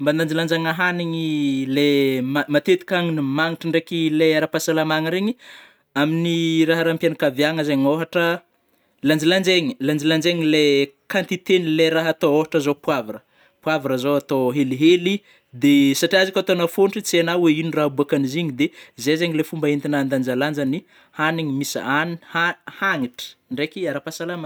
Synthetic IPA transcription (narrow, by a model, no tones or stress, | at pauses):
mbanand͡ʒiland͡ʒaŋaɦaniɲilemamat̪et̪i̥kaŋinimaŋiʈ͡ʂəɳɖ͡ʐekileaɾapasalamaŋəɾeɲi | aminiraɦaɾampjanakavjaŋəzeɲoɦaʈ͡ʂə | land͡ʒiland͡ʒeɲi̥land͡ʒiland͡ʒeŋilekant̪it̪enileɾaɦat̪ooɦaʈ͡ʂəzopwavarə | pwavaɾəzoat̪oɦeliɦeli | d̪esaʈ͡ʂiazikʲat̪onafonʈ͡ʂit͡sianaweiniraɦbuakaniziɲid̪ezezeɲilefumbaint̪inand̪and͡ʒaland͡ʒani | haniɲimisanihahaŋiʈ͡ʂə̥ɳɖ͡ʐekiaɾapasalama